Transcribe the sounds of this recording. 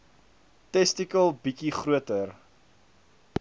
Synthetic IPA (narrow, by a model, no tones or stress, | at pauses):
tɛstikəlˠbikiχruətər